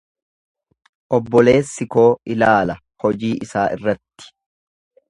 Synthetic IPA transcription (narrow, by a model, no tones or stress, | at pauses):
ʔɔbːɔle̞ːsːɪko̞ːɪlaːlɐ | hɔd͡ʒiːʔɪsaːʔɪrːɐt̪ːɪ̥